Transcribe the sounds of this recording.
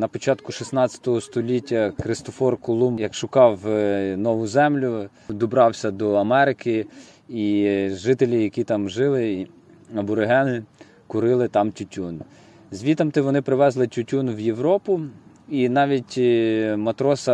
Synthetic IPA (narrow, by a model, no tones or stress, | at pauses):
nɐpɔt͡ʃɑt̪kʊʃisnɑt͡sʲɐ̥t̪ɔɦɔst̪ɔlʲitʲːɐkɾɪst̪ɔfɔrkɔlˠumjɐkʃʊkɑwnɔʋʊzɛmlʲʊ | d̪ɔbɾɑwsʲɐd̪ɔɐmɛɾɪkɪ | iʒɪt̪elʲijɐkʲit̪ɑmʒɪlˠɪ | ɐbʊɾeɦɛnɪ | kʊɾɪlˠɪt̪ɑmtʲʊtʲun | zʲʋʲit̪ɐmt̪ɪʋɔnɪpɾɪʋɛzlˠɪtʲʊtʲunwjewɾɔpʊ | inɑʋʲitʲmɐt̪ɾɔsɐ